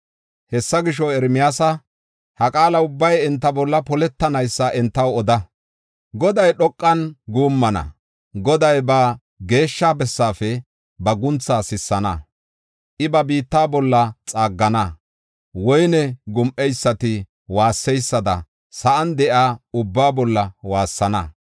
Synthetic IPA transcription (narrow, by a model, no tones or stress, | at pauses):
hɛsːɐɡɪʃ̬ɔɛɾmɪjaːsɐ | hɐkʼaːlɐʊbːɐjɛnt̪ːɐbɔlːɐpɔlɛt̪ːɐnɐjsːɐʔɛnt̪ːɐwɔd̪ɐ | ɡɔd̪ɐjɗɔkʼːɐnɡuːmːɐnɐ̰ | ɡɔd̪ɐjbɐ | ɡe̞ːʃːaːbɛsːaːfɛ | bɐɡʊnt͡sːaːsɪsːɐnɐ | ʔɪbɐbiːt̪ːaːbɔlːɐt͡sʼaːɡːɐnɐ | wɔjnɛɡʊmʔɛjsːɐt̪ɪ | waːsːɛjsːɐd̪ɐ̰ | sɐʔɐnd̪ɛʔaːʊbːaːbɔlːɐwaːsːɐnɐ